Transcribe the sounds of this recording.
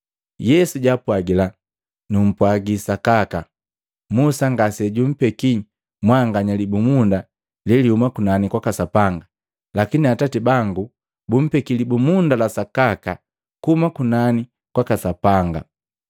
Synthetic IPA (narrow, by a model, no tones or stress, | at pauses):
jɛsuɟapwaɡila | num̩pwaɡisakaka | musaŋɡasɛɟum̩pɛki | mwaŋɡaɲalibumunda | lɛlihumakunanikwakasapaŋɡa | lakiniatatibaŋɡu | bum̩pɛkilibumundalasakaka | kuumakunani | kwakasapaŋɡa̰